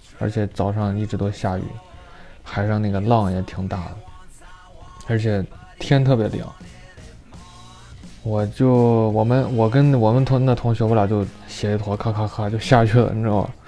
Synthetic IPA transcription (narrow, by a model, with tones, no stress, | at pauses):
ə̰˞˧˥t͡ɕʰjɛ˨˧˥t͡sɑ˨˩ʊʂɑ˥˧ŋi˥˩ʈ͡ʂɻ̩˧˥t̪wɔ˥ɕja˥˧y̰˥˩xa˨˩ɪʂɑ˥˧ŋna˥˩ɡə˩lɑ˥˩ŋjɛ˨˩t̪ʰi˨˩ŋt̪a̰˥˩də˩ | ə˞˧˥t͡ɕʰjɛ˨˩˦t̪ʰjɛ˥nt̪ʰɤ˥˩pjɛ˧˥lɑ̰˨˩˦ | wɔ˨˩t͡ɕjo˥˩ʊwɔ˨˩mə˦nwɔ˨˩k̬ə˥nwɔ˨˩mə˦nt̪ʰʊ˧˥n˥˩t̪ʰʊ˧˥ŋɕo˧˥pɑ˨˩t͡ɕjo˥˩ʊɕjɛ˧˥i˥˩t̪ʰwɔ˧˥kʰa˥kʰa˥kʰa˥t͡ɕjo˥˧ʊɕja˥˧t͡ɕʰy˥˩lə̰˧˩˥ɔ̰˥˩